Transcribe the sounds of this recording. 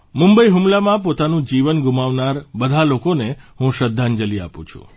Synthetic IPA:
mumbəiɦumlamãpot̪anũd͡ʒiʋənɡumaʋnaɾbəd̪ʱalokoneɦũʃəd̪ʱːand͡ʒəlia̰pṵ̃t͡ʃʰṵ̃

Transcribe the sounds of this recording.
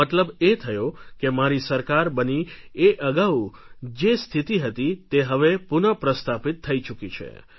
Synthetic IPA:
ət̪ləbet̪ʰəjokemaɾisəɾkaɾbənieʔəɡaw | d͡ʒest̪ʰit̪iɦət̪it̪eɦəʋepunəpɾəst̪ʰapit̪ʰːəit͡ʃukit͡ʃʰḛ

